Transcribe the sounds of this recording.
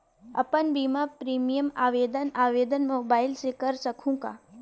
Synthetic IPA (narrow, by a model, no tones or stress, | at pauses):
ɐ̰pənbiːmapɾiːmijəma̰ːʋeːd̪ənaːʋeːd̪ənmoːbaːɪlsekɐɾsɐkʰũka̰ː